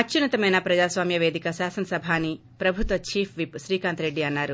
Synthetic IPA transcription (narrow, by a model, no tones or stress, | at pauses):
ɐt͡ʃt͡ʃːunɐt̪ɐmɐjnɐpɾɐd͡ʒaːsʋaːmjɐʋe̞ːd̪ikɐʃaːsɐnɐsɐbʱaːnːi | pɾɐbʱut̪ʋɐt͡ʃiːpʰʋipʃɾiːkaːnt̪ɾe̞ɖːiɐnːaːɾu